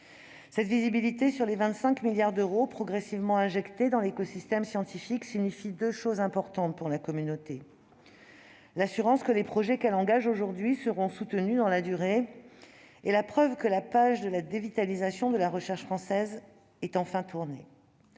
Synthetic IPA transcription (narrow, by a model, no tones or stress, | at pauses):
sɛt̪vizibilit̪esyʁlevɛ̃t̪sɛ̃kmiljaʁd̪øʁopχɔɡʁɛsivmɑ̃ɛ̃ʒɛkt̪ed̪ɑ̃lekɔsist̪ɛmsjɑ̃t̪ifiksiɲifid̪øʃozɛ̃pɔʁt̪ɑ̃t̪̚puʁlakɔmynot̪e | lasyʁɑ̃skəlepχɔʒɛkɛlɑ̃ɡaʒoʒuʁd̪ɥisəʁɔ̃sut̪ənyd̪ɑ̃lad̪yʁe | elapχœvkəlapaʒd̪əlad̪evit̪alizasjɔ̃d̪əlaʁəʃɛʁʃfχɑ̃sɛz | ɛt̪ɑ̃fɛ̃t̪ʰuʁne